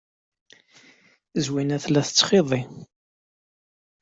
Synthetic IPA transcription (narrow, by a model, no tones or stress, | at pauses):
zwinæθlæθət͡sːχeðˤi